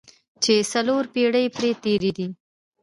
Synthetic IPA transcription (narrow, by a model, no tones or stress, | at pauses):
t͡ʃesaloɾpeɽəjpɾet̪eɾed̪i